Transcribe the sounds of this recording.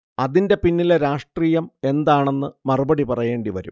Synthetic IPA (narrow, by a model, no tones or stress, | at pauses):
ɐðinde̞pinːileɾaːʂʈriːjɐme̞nd̪aːɳe̞nːɨmɐrubɐɽipɐrɐje̞ːɳɖiʋɐɾṵm